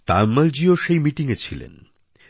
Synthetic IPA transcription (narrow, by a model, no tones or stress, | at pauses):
t̪a̰mːald͡ʑioʃejmiʈiŋet͡ɕʰilḛn